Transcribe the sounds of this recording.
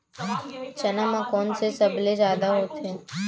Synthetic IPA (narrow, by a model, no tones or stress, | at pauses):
t͡ʃənamãkɔnsesəbled͡ʒad̪aɦot̪ʰe